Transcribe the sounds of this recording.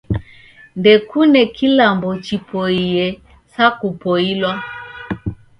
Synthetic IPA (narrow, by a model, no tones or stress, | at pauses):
ndɛkunɛkilambɔt͡ʃipʰɔijɛ | sakupɔilwa